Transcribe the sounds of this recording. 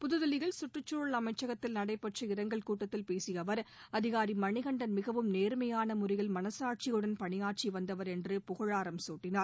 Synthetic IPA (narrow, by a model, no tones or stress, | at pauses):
pʊðɯðɐlɪɣɐɭsʊʈrɯt͡ʃːoɭɐmɐɪt͡ʃːɐɣɐt̪ːɪlnɐɽɐɪpːɐʈt͡ʃɐɪɾɐŋɡɐɭkuːʈːɐt̪ːɪlpeːsɪjɐʋɐɾɐðɪɣaːɾimɐɳɪɣɐɳɖɐnmɪɣɐʋɯmneːɾmɐjaːnɐmʊɾɪɣɐlmɐnɐsaːʈ̚t͡ʃɪjɯɽɐnpɐɳɪjaːʈ̚t͡ʃiʋɐnd̪ɐʋɐɾɛndrɯpʊɣɐɻaːɾɐmsoːʈːɪnaːɾ